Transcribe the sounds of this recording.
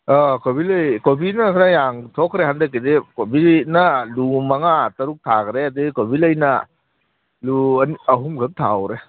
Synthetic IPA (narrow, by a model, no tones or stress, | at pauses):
akobilɐjkobinɐkʰnajaŋtʰokʰɾeɦandɐkːidekobinɐlumaŋatɐɾuk̚tʰakɾeɐdiɡkobilɐjnɐ | lunɐɦumɡʱɯk̚tʰawɾe